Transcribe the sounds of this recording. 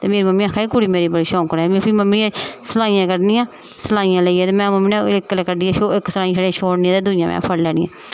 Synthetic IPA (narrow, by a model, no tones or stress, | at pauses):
t̪eːmeːɾiːməmːiːaːkʰaːiːkuɽiːmeːɾiːbəɽiːʃɔ̃ːkɾɛːmĩpʰiːməmːiːãːsəlaːijãːkəɖnijãː | səlaːijãːləiːɛːt̪eːmɛ̃ːməmːinãkːəlːkəɖiːɛːʃoɪksəlaːĩːʃəɽeãːt͡ʃʰoːɽnĩːãːt̪eːd̪ʊɪjãːmʔɛ̰̃ːpʰəɽlɛːnɪ̃ːã̰ː